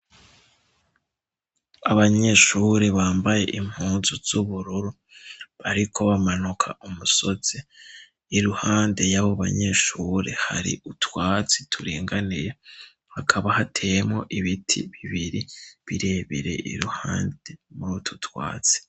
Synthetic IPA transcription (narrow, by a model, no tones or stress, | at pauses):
aβaɲe̞ʃuːɾeβaːmbaje̞̰ʔim̥huːnzuz̥uβuɾuɾu | βaɾikʰo̞βamanukʰa̰ʔumuso̞z̥e | iɾuhaːnde̞jaβo̞βa̰ɲe̞ʃuɾe̞̰ha̰ɾḭʔutwaːt͡si̥tʰuɾḭːŋɡanije | hakʰaβahatʰe̞jemŋo̞ʔiβitʰḭβiβiɾiβiɾe̞ːβiɾe̞̰ʔḭɾuha̰ːnde̞muɾutʰu̥twa̰ːt͡si̥